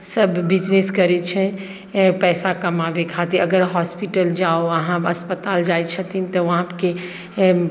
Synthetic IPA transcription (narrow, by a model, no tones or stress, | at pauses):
səbːid͡ʒneskəɾɛt͡ʃʰɛ | pɛsakəmabekʰat̪iəɡəɾɦɔspiʈəld͡ʒaoəɦãbəspət̪ald͡ʒajt͡ʃʰət̪int̪ɔʋəɦãpke